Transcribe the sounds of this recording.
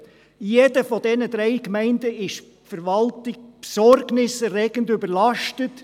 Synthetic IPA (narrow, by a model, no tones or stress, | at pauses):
jedəfɔdɛnədɾɛɪkmɛɪndəɪʃ | fəɾvɑltɪkpsɔɾɡnɪsɛɾɛːɡəndʏbəɾlɑʃtət